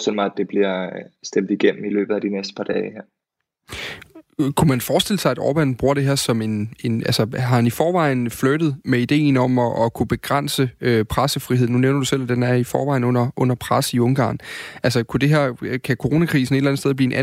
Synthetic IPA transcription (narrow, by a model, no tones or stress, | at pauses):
sd̥elmɑ̈ɪæd̥e̝b̥liɐsd̥em̰d̥iɡ̥em̰m̩ilø̰ːb̥ð̩ˠæd̥inesd̥ə̥pʰɑ̈d̥ɛːɪheɐ̰ | kʰumænfɒːsd̥e̝l̰əsɑ̈ɪæd̥ɒ̰ːb̥ænb̥ʁuɐ̰d̥e̝ɦeɐsɒ̽me̝ne̝nælsəɦɑ̈hænifɒːʋɑ̈ɪ̰n̩flød̥ð̩ˠmeid̥e̝̰ːn̩ɒ̽mɒ̽ʔɒ̽kʰub̥e̝ɡ̥ʁan̰səøpʰʁasəfʁiɦeð̰ˠnuneʊnɐd̥usel̰æd̥enæɐifɒ̰ːʋɑ̈ɪnɔ̽n̰ɐʔɔ̽n̰ɐpʰʁasiɔ̽ŋɡ̥ɑ̰̈ːnʔælsəkʰud̥e̝ɦeɐ̰kʰækʰo̝ʁo̝ːnækʰʁiːsn̩e̝d̥læn̩sdeðˠbliːe̝nʔæ